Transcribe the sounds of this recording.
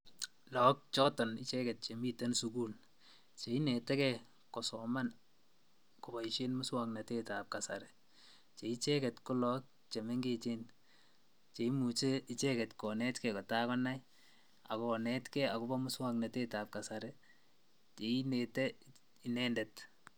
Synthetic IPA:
lɔ˨k̚t͡ʃɔ˦tɔ˨ni˦t͡ʃɛ˦kɛ˨t̚t͡ʃe˨mi˦te˦nsuku˦l | t͡ʃe˨i˦nɛtɛ˦kɛ˦ | kɔ˨sɔ˨ma˦n | ko˨bɔ˨iʃe˦nmʊ˦swakna˨te˦ta˨p̚ka˨sa̰˨ɾɛ˨ | t͡ʃe˨i˦t͡ʃɛ˦kɛ˨tko˦lɔ˦k̚ | t͡ʃe˨me˦ŋɡe˦t͡ʃe˦n | t͡ʃe˨i˦mu˨t͡ʃe˦i˨t͡ʃɛ˦kɛ˨tkɔ˨nɛ˦tkɛ˨kɔ˨ta˦kɔ˦na˦j | a̰˨kɔnɛ˦tkɛ˦a˨ku˦bɔ˦mʊ˦swa˦kna˨te˦ta˨p̚ka˨sa˨ɾɛ˨ | t͡ʃe˨i˦nɛtɛ˦ | i˨nɛndɛ˨t

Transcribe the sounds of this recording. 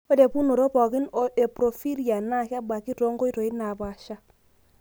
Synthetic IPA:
o˦de˨pu˦no˨ɾo˦pɔ˨kɪ˦no˨ʔe˨pɾo˨fi˦ɾija˨na˦˨kba˨ki˦to˦ŋɡo˦i˦to˨i˦na˨ba˨ʃa˦

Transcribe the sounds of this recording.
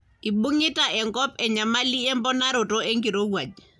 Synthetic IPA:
i˨ɓu˦ŋɪ˦ta˨ʔɛ˨ŋkɔ˦pɛ˨ɲa˨ma˦li˦ɛ˦mbɔ˦na˦ɾo˨to˦e˦ŋɡi˨ɾo˦wa˨d͡ʒ

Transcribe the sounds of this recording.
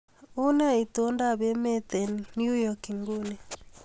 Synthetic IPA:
u˦na˦i˨t̪o˦nda˦˨be˦me˦t̪e˨n˨nju˦jɔ˦ki˨ŋɡu˦ne˨

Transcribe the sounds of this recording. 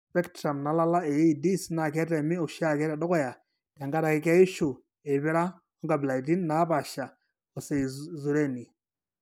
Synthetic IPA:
spɛ˦ktɾa˨mna˨˦la˦la˦e˨ji˨di˦sna˨kɛ˦tɛ˨mɪ˦o˨ʃa˦˨kɛ˦ɾɛ˨dɔ˦kɔ˦˨ja˨ | ta˨ŋɡa˦ɾa˨kɪ˦ka˦i˦ʃu˨ | e˨βɪ˦ɾa˦ | ɔ˦ŋɡa˨bla˨i˨ti˦nːa˨˦ba˨ʃa˨ | ɔ˨se˨zu˨ɾe˦ni˨

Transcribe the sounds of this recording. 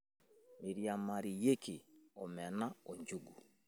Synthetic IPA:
mi˨ɾja˨ma˨ɾi˨je˦ki˨ɔ˨mɛ˨na˦o˨ɲd͡ʒu˦ɡu˨

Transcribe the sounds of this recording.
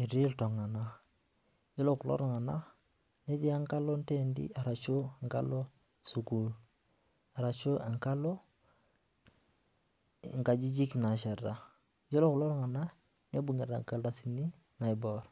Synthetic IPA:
i˨ɾi˦lto˨ŋa˨na | jo˦lokulo̰˦ɾɔ˨ŋa˨na˦ | ne˦ɟi˦a˦ŋka˦lo˦nte˦ndḭ˦a˨ɾa˨t͡ʃu˦ŋka̰˦lo˦ | su˨kuːl | a˨ɾa˨t͡ʃo˦a˨ŋka˦lo˦ | ŋka˨d͡ʒi˦d͡ʒi˦kna˨ʃe˨da | jo˦lo˦ku˨lo˦ɾŋa˨na˦ | ɲe˦bu˨ŋe˨ɾa˨ŋka˦lda˨sini˦ | na˨iboɾ

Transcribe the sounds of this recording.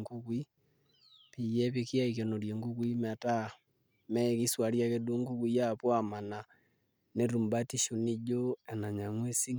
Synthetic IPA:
ŋɡu˦kwi˦ | pi˨jɛ˦βi˨ki˦a˦ike˨no˨ɾje˨ŋɡu˦ɣwi˦ma˨ta˦ | mɛ˦˨ki˦swa˨ɾja˦ke˦du˦ŋɡu˦kwi˨ja˦pwa˨ma˨na˨ | ne˦ɾu˨mba˦ti˦ʃu˨ni˦d͡ʒo˦ɛ˨na˨ɲa˨ŋwe˦si˦ŋ

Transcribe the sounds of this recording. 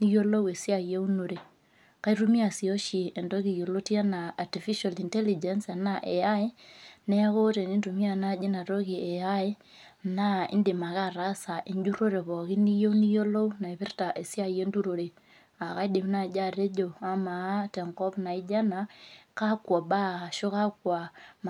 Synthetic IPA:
ni˦jo˦lo˦we˨si˦a˨je˦u˦no˨ɾe˨ | ka˦i˦ɾu˦mi˦a˨si˨o˦ʃi˨e˨ndo˦ɣi˨jo˨lo˦ti˦a˦naː˨ti˨fi˦ʃa˨li˨nte˦li˨d͡ʒe˨nsa˨na˦ʔe˨a˦e˦nɛ˦a˦ko˦te˨ni˦ntu˨mi˦a˨na˦d͡ʒe˦na˨to˦ki˨e˨ja˦e˦ | na˦ḭ˦ndi˨ma˨ɣa˦˨ɾa˦sa˨ʔi˨ɲd͡ʒu˦ɾo˦ɾe˨βo˨ɣi˦ni˦jo˦ni˦jo˦lo˦u˦na˨e˨βi˦ɾta˨ʔe˨si˦a˦je˦ndu˦ɾo˨ɾe˨ | a˨ɣa˦i˦di˨m˦na˨d͡ʒa˦˨ɾe˦d͡ʒo˨a˦ma˨˦tɛ˨ŋkɔ˦pna˨i˦d͡ʒa˦na˨ka˦kwa˨ba˦˨ʃo˦ka˦kwa˨m

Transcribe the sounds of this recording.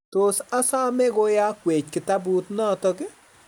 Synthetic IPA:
t̪o˨sa˦sa˦mɛ˦ɡo˦ja˦kwe˨t͡ʃkɪ˨ta˦bu˦t̪nɔ˦tɔ˦kɪ˦

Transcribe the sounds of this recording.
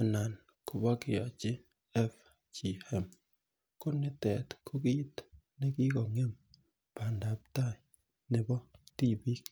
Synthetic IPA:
a˨na˨n | kʊ˨ba˦kɪ˨ja̰˨t͡ʃɪ˦ | ɛ˦f | t͡ʃi˨ɛ˦m | kʊ˦nɪ˦tɛ˨tkʰʊ˦ki˦t | nɪ˦ki˦kɔ˨ŋe˦m | pa˨nda˨p̚ta˦˨ | nɪ˦bɔ˦ti˦˨bi˦k

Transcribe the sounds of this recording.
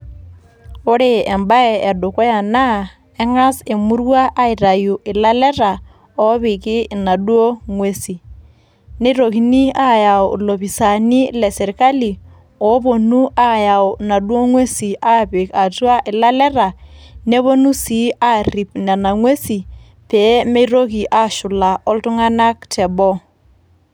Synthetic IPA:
ʊ˦ɾɪ˦ɛ˨mba˦ɛ˨ɛ˨do˨kɔ˦ja˨na˦ | ɛ˦ŋa˦se˨mu˦ɾwa˦ʔa˦i˨ɾa˨ju˨ʔɪ˨la˦lɛ˦ɾa˨ | ɔ˦βi˨kɪ˦na˨dwo˦ŋwe˦si˨ | ne˦ɾo˨ki˦ni˦a˦ja˨ɔ˨lo˨βi˨sa˨ni˦lɛ˨sɛ˨ɾi˨ka˦li˨ | ɔ˨˦bo˨nu˦a˦ja˨wʊ˨na˨ɗwo˦ŋwe˦si˨ʔa˦pɪ˨ka˨twa˦ʔɪ˨la˦lɛ˦ɾa˨nɛ˦βo˦nu˦si˨˦a˦ri˨pna˨na˨ŋwe˦si˨ | pɛ˨˦me˦ɾo˦ki˨ʔa˦ʃʊ˨la˨ʔɔ˦ltʊ˦ŋa˦na˦k̚tʰɛ˨bɔ˦

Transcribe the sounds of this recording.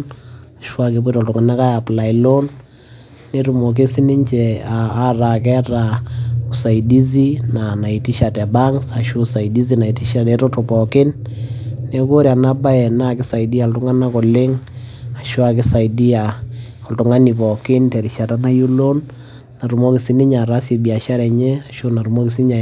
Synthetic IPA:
na˨ʃwa˦ki˦pu˦i˦tɔ˨ltʊ˨ŋa˨na˦ka˦ja˨pla˨i˨lo˦nː | e˦ɾu˨mo˨k̬e˦sɪ˦nɪ˦ɲt͡ʃɛ˨aː˨˦ra˨k̬ɛ˦ɾa˨u˨sa˨i˨di˦z̬i˦na˨na˨i˨ti˦ʃa˨tɛ˨ba˦ŋsa˨ʃu˦sa˨i˨di˦zi˦na˨i˨ti˦ʃa˨te˦ɾo˦to˨pɔ˨kɪ˦nː | e˦ko˦ɾja˨na˦ba˦ɛ˨na˦˨kɪ˦sa˨i˨di˦a˨ltʊ˦ŋa˦na˦kɔ˨lɪ˦ŋa˨ʃo˦a˨kɪ˦sa˨i˨di˦a˨ | ɔ˨ltʊ˨˦ŋa˦ni˨pɔ˨kɪ˦ntɛ˨ɾi˨ʃa˨ta˦na˦ju˦lo˦nː | a˨ɾu˨mo˦kɪ˨si˦nɪ˦ɲa˨ɾa˦si˨bi˨a˨ʃa˦ɾɛ˨ɲɛ˦a˨ʃo˦na˨ɾu˨mo˦ki˨si˦ɲa˨

